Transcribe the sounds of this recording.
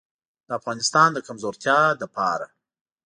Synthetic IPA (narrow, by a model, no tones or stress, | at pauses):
d̪̥əafɣɑnɪst̪ɑnd̪əkamzoɾt̪ʰjɑd̪əpʰɑɾa̰